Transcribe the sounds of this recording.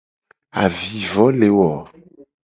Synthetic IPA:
a̰˨vi˨vɔ˨˦le˨wɔ˨

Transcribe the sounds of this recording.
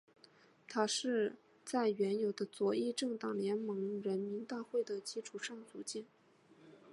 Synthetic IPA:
t̪ʰa˥ʂɻ̩˥˧ | t͡sa˥˩ɪɥɛ˧˥njo˨˩ʊd̪ə˦t͡swɔ˧˥i˥˧ʈ͡ʂɤ˥˩ŋt̪ɑ˨˩ŋljɛ˧˥nmɤ˧˥ŋɻə˧˥nmi˧˥nt̪a˥˧xwe˥˩ɪd̪ə˩t͡ɕi˧˥ʈ͡ʂʰu˨˩ʂɑ˥˩ŋt͡su˨˩t͡ɕjɛ˥˩n

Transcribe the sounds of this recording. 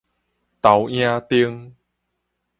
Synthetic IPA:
t̪a˨˦wj̃ã˧t̪i˧əŋ

